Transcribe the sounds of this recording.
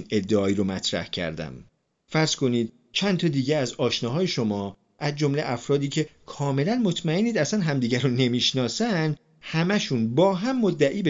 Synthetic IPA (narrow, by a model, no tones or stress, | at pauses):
ne̞d̪ːeɒːiːɾomæt̪ʰɾæ̰hcʰæ̰ɾd̪æ̰m | fæɾz̥ko̞niːd̪̚ | t͡ʃʰænt̪ʰɒːd̪iːɟeæzɒːʃnɒːɦɒːje̞ʃo̞mɒː | ʔæzd͡ʒo̞mlḛʔæfɾɒːd̪iːcʰe̞kʰɒːme̞lænmo̞t̪ʰmæeniːd̪æsænɦæmd̪iːɟæɾone̞miːʃnɒːsæn | hæmæʃunbɒːɦæmːod̪ːæʔiːbe